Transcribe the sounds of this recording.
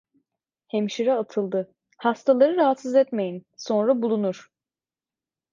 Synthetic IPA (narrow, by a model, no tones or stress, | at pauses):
hemʃiɾɛat̪ʰɯlˠd̪ɯ | hast̪ʰalˠaɾɯɾaɦat̪sizɛt̪me̞jinso̞nɾabulˠunuɾ̥